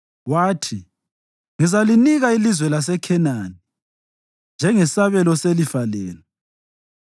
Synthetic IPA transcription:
waːtʰi | ŋizaliniɣailizwɛlas̬ɛkʰɛnani | nd͡ʒʱɛŋɛsaβɛlɔselifalɛːlɛ

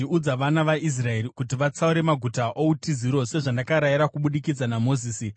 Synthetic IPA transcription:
iud͡zaʋanaʋais̬rae̞rikutiʋat͡sauɾe̞maɡʱutaʔo̞utiziɾo̞se̞ʐandakaɾajiɾakuɓuɗikid͡zanamoziːsi

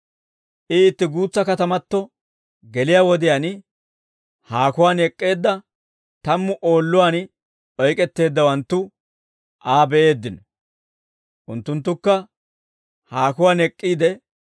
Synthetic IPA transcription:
ʔɪːt̪ːɪɡuːt͡sːɐkɐt̪ɐmɐt̪ːɔ | ɡɛlɪjaːwɔd̪ɪjan | haːkʊwaːnɛkʼːe̞ːd̪ːɐ | t̪ɐmːʊʔoːlːʊwaːn | ɔjkʼɛt̪ːe̞ːd̪ːɐwɐnt̪ːʊ | ʔaːbɛʔe̞ːd̪ːɪnɔ | ʔʊnt̪ːʊnt̪ːʊkːɐ | haːkʊwaːnɛkʼːiːd̪ɛ

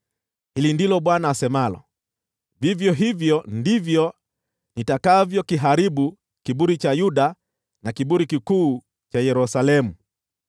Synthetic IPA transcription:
hilindilɔɓwanaːsɛmalɔ̰ | vivjɔɦivjɔndivjɔ | nitakavjɔkiɦaɾiɓu | kiɓuɾit͡ʃajuɗa | nakiɓuɾikikuː | t͡ʃajɛɾusalɛmu

